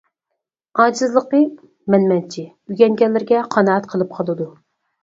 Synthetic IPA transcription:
ɑːd͡ʒɨzlˠəqə | mɛnmɛnt͡ʃʰi | yɡʲɛŋɡʲɛlːɪɾɡʲɛqʰɑnɑɑt̪qʰəlˠɨp̚qʰɑlˠɨd̪u

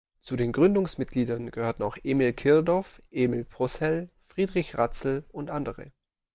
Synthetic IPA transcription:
t͡sudeːnɡʁʏndʊŋsmɪt̚ɡ̥liːdɐnɡ̥əhøːɐtn̩aʊxʔeːmilkʰɪɐdɔɐfʔeːmilpʁ̥ɔsɛlfʁ̥iːdʁɪçʁat͡sl̩ʊntʔandəʁə̰

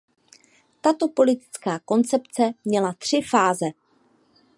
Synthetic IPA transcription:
t̪at̪o̞po̞lɪt̪ɪ̥t͡skaːko̞nt͡sɛpt͡sɛmɲɛlat̪r̥ɪfaːzɛ

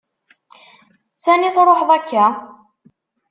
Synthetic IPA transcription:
t͡sːæniθɾˤoħðˤækːæ

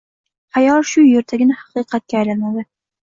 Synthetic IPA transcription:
hajɒlʃʊjeɾt̪ʰaɡʲɪnahɑ̥qɨqʰɑt̪̚kʲaːjlanmad̪ɪ

